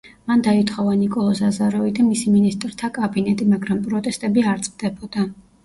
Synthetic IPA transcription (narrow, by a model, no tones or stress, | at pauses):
mand̪ait̪ʰχɔvanikʼɔlˠɔsazaɾɔvid̪amisiminist̪ʼɾt̪ʰakʼabinɛt̪ʼimaɡɾampʼɾɔt̪ʼɛst̪ʼɛbiaɾt̪sʼvd̪̥ɛbɔd̪̥a